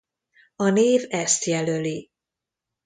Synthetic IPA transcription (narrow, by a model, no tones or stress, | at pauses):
ɒneːvɛst̪jɛløli